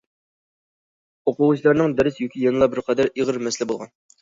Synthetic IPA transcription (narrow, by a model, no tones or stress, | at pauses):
oqʊwut͡ʃʰilˠɑɾnɨŋd̪ɛɾɪsjokʲijɑnɨlˠɑbɪɾqʰɑd̪ɛɾiʁəɾmɛslɪbolˠʁɑ̰n